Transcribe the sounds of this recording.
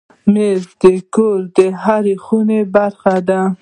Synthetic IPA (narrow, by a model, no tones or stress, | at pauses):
mezd̪əkoɾd̪əɦaɾexunebaɾxad̪a